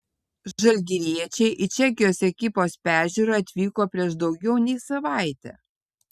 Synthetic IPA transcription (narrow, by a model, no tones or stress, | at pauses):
ʒɐlʲɡ̪ʲɪɾʲiɛt͡ʃʲɛɪʔɪt͡ʃʲɛk̬ʲɪjoːsɛkʲɪpoːspʲæːʒʲuːɾɑːɐt̪ʲʋʲiːkoːpʲɾʲiɛʃd̪ɒʊɡʲɛʊnʲɛɪsɐʋɑˑɪt̪ʲɛ̰ː